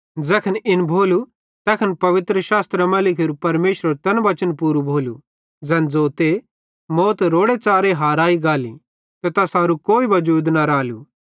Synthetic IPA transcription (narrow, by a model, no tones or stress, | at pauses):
d͡zɛkʰənɪnbʱoːlu | t̪ɛkʰənpɐʋɪt̪ɾəʃaːst̪ɾəmɐlɪkʰɪɾupɐɾmeːʃɾəɾt̪ɐnʋɐt͡ʃənpuːɾubʱoːlṵ | d͡zɛ̃ːnd͡zoːt̪e | moːt̪ɾoːɽet͡saːɾeɦaːɾaːiɡaːlḭ | t̪et̪ɐsaːɾukoːiʋɐd͡ʒuːd̪nɐɾaːlṵ